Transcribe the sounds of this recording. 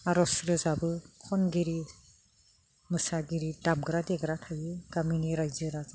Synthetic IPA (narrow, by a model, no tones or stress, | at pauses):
aɾɔsɾɯzabɯkʰɔnɡiɾi | mɯsaɡiɾidamɡɾadɛɡɾatʰajɯɡaminiɾajzɯɾaza